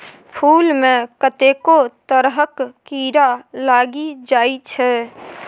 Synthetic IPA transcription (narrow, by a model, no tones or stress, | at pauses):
pʰulmẽkət̪ekot̪əɾɦəkːiɾalaɡid͡ʒajt͡ʃʰɛ